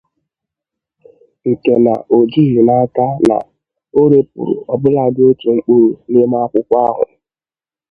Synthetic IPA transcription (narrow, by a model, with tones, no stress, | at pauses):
ŋ̩˨ke˨na̰˨ʔo˨d͡ʒi˦ɦi˨na˦ka˦na̰˨ | o˦ɾe˨pṵ˨ɾʊ̰˨ɔ˨bʊ˦la˨dɪ˦o˦tu˨ŋ͡m̩˦k͡pu˦ɾu˨nɪ˦ma˦kʷʊ˦kʷa˦ɦʊ̰˨